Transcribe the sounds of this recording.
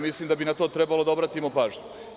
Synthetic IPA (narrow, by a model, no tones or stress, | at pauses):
mislˠimd̪abinat̪o̞ːt̪ɾe̞balˠo̞d̪aobɾat̪imo̞paːʒɲu